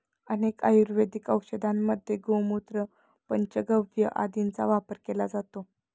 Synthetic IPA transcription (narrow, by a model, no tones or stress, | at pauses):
ənekajuɾʋed̪ʱikəwkɕəd̪ʱamːəd̪ʱːjeɡowmut̪ɾə | pəɲt͡ɕəɡəʋjəʔa̰d̪int͡sa̰ʋapəɾkelad͡zat̪o